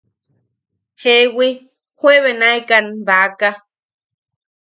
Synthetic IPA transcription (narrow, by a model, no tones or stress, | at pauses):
hewi | hwʷeβenaekanbaka